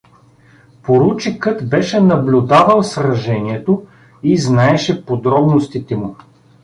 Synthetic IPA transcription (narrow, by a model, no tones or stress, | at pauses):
poɾut͡ʃikɤt̪bɛʃɛnɐblʲʊd̪avəlˠsɾɐʒɛniɛt̪o | iznaɛʃɛpod̪ɾɔbnost̪it̪ɛmʊ